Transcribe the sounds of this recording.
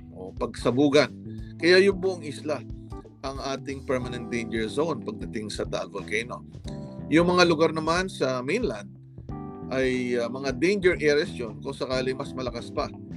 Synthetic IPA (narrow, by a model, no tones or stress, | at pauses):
ʔo̞pɐɡsɐbuːɡɐnkɐjajʊŋbʊʔoŋɪsla | ʔɐŋaːt̪ɪŋpɛɹmɐnɛnt̪̚d̪ejnd͡ʒɛɹzo̞wnpɐɡ̚d̪ɐt̪ɪŋsɐt̪a̰lvolkejno̞jʊŋmɐŋalʊɡaɾnɐmansɐminland̪̚ | ʔɐjmɐŋad̪ejnd͡ʒɛɹʔɛɹɛsjonkʊŋsɐkaːlɪmɐsmɐlɐkaspɐ